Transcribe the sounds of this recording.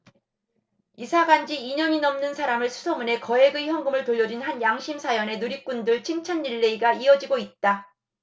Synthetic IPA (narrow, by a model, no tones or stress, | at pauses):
isʰaɡand͡ʑiːɲʌɲinʌmnɯnsʰaɾamɯɭsʰu̥sʰʌmune̞kʌe̞ɡɯiçjʌŋɡɯmɯɭtoʎːʌd͡ʑinhanjaŋɕʰimsʰajʌne̞nuɾik͈undɯɭt͡ɕʰiŋt͡ɕʰanːiɭːeiɡaiʌd͡ʑiɡoit̚t͈a